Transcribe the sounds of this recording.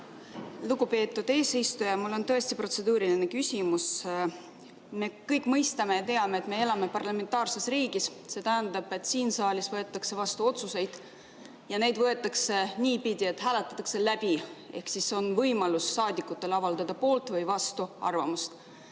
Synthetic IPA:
luɡupe̞ːt̪ːˑud̪eːsejst̪ujɑmulːo̞nt̪ɤ̞e̞st̪ipro̞t̪se̞d̪uːɾiline̞kysʲimus | me̞kɤjkːˑmɤjst̪ɑme̞jɑt̪e̞ɑme̞ːt̪me̞e̞lɑme̞pɑrlɑme̞nt̪ɑːrse̞sriːɡ̥isse̞t̪æɦænd̪ɑb̥e̞t̪ːˑsiːnsɑːlʲisvɤ̞et̪ːˑɑkse̞vɑst̪uo̞t̪suse̞jd̪̥ | jɑne̞jd̪̥vɤ̞et̪ːˑɑkseniːpid̪̥ʲie̞t̪ɦæːlet̪ːˑɑ̥t̪ːˑɑkse̞læb̥ie̞̰hksiso̞nvɤjmɑlusːɑːd̪ikːˑut̪ːˑe̞lɑvɑld̪̥ɑd̪̥ɑpo̞ːlt̪ˑvɯjvɑst̪uɑ̰rvɑmust̪

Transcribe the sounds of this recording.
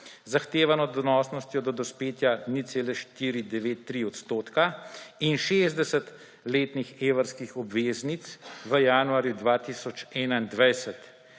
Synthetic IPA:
zaxt̪eːʋanɔd̪ɔnɔːsnɔst̪jɔd̪ɔd̪ɔspeːt̪janit̪seːlɛʃt̪iːɾid̪ɛʋeːt̪ːɾiɔt̪st̪oːt̪kainʃeːzd̪ɛsɛt̪ | leːt̪nixeːʋəɾskixɔbʋeːznit̪sʋəjaːnuaːɾjud̪ʋaːt̪isɔt͡ʃɛːnaind̪ʋɛjsɛt̪

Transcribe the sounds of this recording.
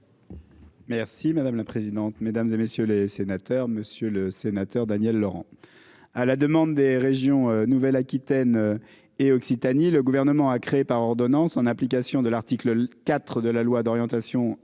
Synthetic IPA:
mɛʁsimad̪amlapχezid̪ɑ̃t̪med̪amzemesjølesenat̪œʁməsjøləsenat̪œʁd̪anjɛlːɔʁɑ̰̃ | alad̪əmɑ̃d̪ːeʁeʒjɔ̃ønuvɛlakʲit̪ɛn | eɔksit̪aniləɡuvɛʁnəmɑ̃akχeepaʁɔʁd̪ɔnɑ̃sɑ̃nɛ̃plik̬asjɔ̃d̪əlaʁt̪ikləkat̪χd̪əlalwad̪ɔʁjɑ̃t̪asjɔ̃

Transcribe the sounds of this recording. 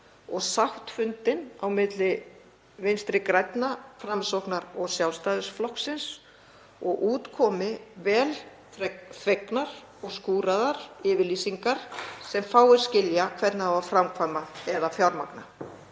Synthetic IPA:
ɔɣsaht̪fʏnt̪ɪnawmɪt̪lɪ | vɪnst̪ɾɪkɾajt̪nafɾamsɔwhknaɾɔɣsjawlst̪ajðʏsflɔhksɪns | ɔɣʔuːt̪kʰɔːmɪvɛːl | fɾɛknaɾ̥ | ɔɣskuːɾaðaɾ̥ɪːvɪliːsiŋkaɾ̥sɛmfaːwɪɾ̥scɪljakʰvɛt̪naavafɾamkʰvajmaðɛðafjawɾmakna

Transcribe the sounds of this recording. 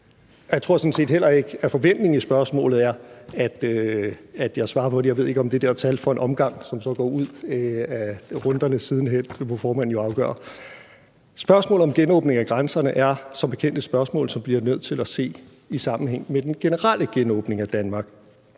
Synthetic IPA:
jɑɪt͡sʰʁo̝ɐ̰sɒ̽nse̝̰ːd̥hel̰ɐe̝ɡ̥əæfɒ̽ʋen̰d̥ne̝ŋisb̥ɶɐsmɔ̰̽ːlð̩ˠæɐæd̥ | æd̥jɑ̈ɪsʋɑ̈ːɐpʰɒ̽dejɑ̈ɪʋe̝ð̞̰ˠeɡɒ̽md̥e̝d̥ɛɐt͡sʰælfɒ̽e̝nʔɒ̽mɡ̥ɑ̈ŋ̰sɒ̽msɒ̽ɡ̥ɒ̰ːuð̰ˠæʁɔ̽nd̥ɐnəsið̞ˠn̩ɦel̰ʋɒfɒːmæn̰n̩joɑ̈ʊɡ̥œ̰ːɐ | sb̥ɶɐsmɔ̰̽ːl̩ˠɒ̽mɡ̥enɔ̰ːb̥ne̝ŋæɡ̥ʁansɐnəʔæɐsɒ̽mb̥e̝kʰen̰d̥əsb̥ɶɐsmɔ̰̽ːlsɒ̽mb̥liɐnøð̰ˠt͡sʰe̝læse̝̰ː | isɑ̈mn̩heŋ̰med̥enɡ̥e̝nəʁɑlʔəɡ̥enɔ̰ːb̥ne̝ŋæd̥ænmɑ̈ːɡ̥

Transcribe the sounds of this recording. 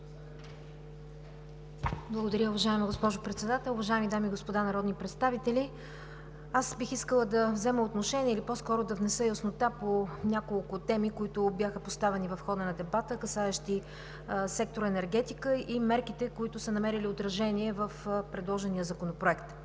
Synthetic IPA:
blˠəɡod̪ɐɾʲəʊvɐʒaɛməɡospɔʒʊpɾɛt̪sɛd̪at̪ɛlˠʊvɐʒaɛmid̪amiɡospod̪anɐɾɔd̪nipɾɛt̪st̪avit̪ɛli | asbixiskəlˠəd̪ɐvzɛməot̪noʃɛniɛilipɔskɔɾod̪ɐvnɛsəjɐsnot̪aponʲakolˠkʊt̪ɛmikoit̪ʊbʲjaxəpost̪avɛnivɐfxɔd̪ənɐd̪ɛbat̪əkɐsaɛʃt̪i | sɛk̚t̪oɾɛnɛɾɡɛt̪ikəimɛɾkit̪ɛkoit̪ʊsənɐmɛɾiliot̪ɾɐʒɛniɛvəfpɾɛd̪lˠɔʒɛnijəzɐkonopɾoɛkt̪

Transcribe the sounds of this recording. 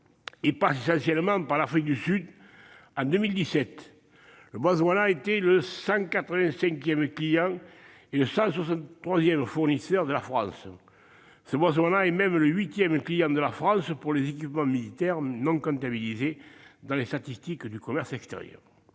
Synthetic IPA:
epasesɑ̃sjɛlmɑ̃paʁlafχik̚d̪ysyd̪ | ɑ̃d̪əmild̪isɛt̪ | ləbwazwanaet̪ɛləsɑ̃kat̪χəvɛ̃sɛ̃ŋkjɛmklijɑ̃ | eləsɑ̃swasɑ̃nt̪t̪χwazjɛmfuʁnisœʁd̪əlafχɑ̰̃s | səbwazwanaɛmɛmləɥit̪jɛmklijɑ̃d̪əlafχɑ̃səpuʁlezekipəmɑ̃milit̪ɛʁnɔ̃ŋkɔ̃nt̪abilized̪ɑ̃lest̪at̪ist̪ikd̪ykɔmɛʁsɛkst̪ḛʁjœ̰ʁ

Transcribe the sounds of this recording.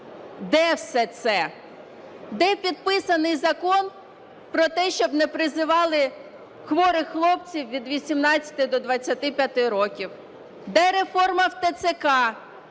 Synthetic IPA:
d̪ɛwsɛt̪sɛ | d̪ɛpʲid̪̚pɪsɐnɪjzɐkɔn | pɾɔt̪ɛʃt͡ʃɔbnɛpɾɪzɪʋɑlˠɪ | xʋɔɾɪxlˠɔp̚t͡sʲiwʋʲid̪ʋʲisʲimnɑt͡st͡sʲːɐ̥t̪ɪd̪ɔd̪ʋɐt͡sʲːɐt̪ɪpʲjɐt̪ɪɾɔkʲiw | d̪ɛɾefɔrmɐwt̪ɐsekɑ

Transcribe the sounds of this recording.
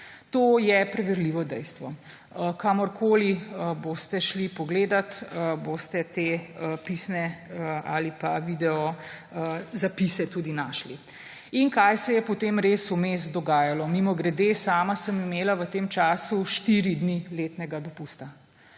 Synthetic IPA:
t̪oːjɛpɾɛʋɛɾliʋɔd̪ɛjst̪ʋɔ | əkamɔɾkʰoːliəboːst̪ɛʃlipɔɡleːd̪at̪əboːst̪ɛt̪eːəpisnɛəa̰lipaʋiːd̪ɛɔəzapisɛt̪uːd̪inaːʃli | iŋkajsɛjɛpɔt̪emɾeːsumesd̪ɔɡaːjalɔmimɔɡɾɛd̪esaːmasəmimeːlaʋət̪eːmt͡ʃaːsuʃt̪iɾid̪nileːt̪nɛɡad̪ɔpust̪a

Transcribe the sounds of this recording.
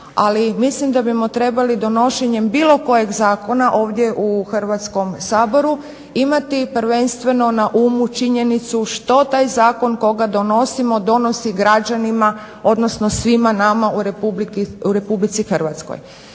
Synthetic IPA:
a̰limislimd̪abimo̞t̪ɾe̞balid̪o̞no̞ʃeɲe̞mbiːlˠo̞ko̞je̞ɡzaːko̞naʔo̞ːʋd̪ʲje̞ʔuxr̩ʋat̪sko̞msaːbo̞ɾu | imat̪ipr̩ʋe̞nst̪ʋe̞no̞naʔuːmut͡ʃiɲe̞nit̪suʃt̪o̞t̪aːjzaːko̞nko̞ɡad̪o̞no̞simo̞d̪o̞no̞siɡɾad͡ʒanima | o̞d̪no̞sno̞sʋimanamauɾepublikuɾe̞publit̪sixr̩ʋat̪sko̰j

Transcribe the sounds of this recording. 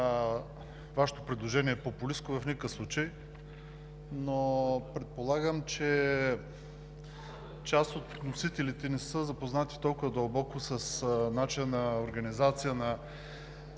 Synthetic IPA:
vaʃɛ̥t̪opɾɛd̪lˠoʒɛniɛːpopuliskovɐfnʲikəfslˠut͡ʃəj | nopɾɛt̪̚polˠaɡəmt͡ʃɛ | t͡ʃast̪ot̪nosit̪ɛlit̪ɛnɛsəzɐpoznat̪i̥t̪ɔlˠkʊvɐd̪əlˠbɔkʊsəsnat͡ʃiənɐoɾɡɐnizat̪sijənɐ

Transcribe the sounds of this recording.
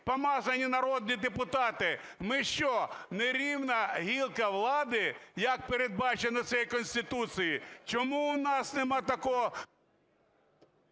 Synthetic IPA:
pɐmɑzɐnʲinɐɾɔd̪nʲid̪epʊt̪ɑt̪ɪ | mɪʃt͡ʃɔneɾʲiwnɐɦʲilˠkɐʋlˠɑd̪ɪjɐk̚peɾed̪̚bɑt͡ʃenɔt̪sɛjkɔnʲsʲt̪ɪt̪ut̪sɨjit͡ʃɔmuʊnɑsnemɑt̪ɐkɔɦɔ

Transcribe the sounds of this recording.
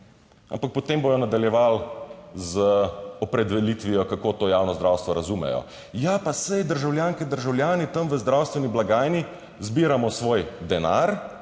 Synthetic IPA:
a̰mpak̚pɔt̪embojɔnad̪aljɛʋalzəɔpɾɛd̪ʋɛlit̪ʋijɔkakot̪oːjaːwnɔzd̪ɾawst̪ʋɔɾazumɛ̰jɔ̰ | japasɛjd̪əɾʒawljaːŋkɛd̪əɾʒawlʲjaːnit̪ɐmʋəzd̪ɾawst̪ʋɛniblaɡaːjni | zbiːɾamɔsʋoːjd̪ɛna̰ɾ

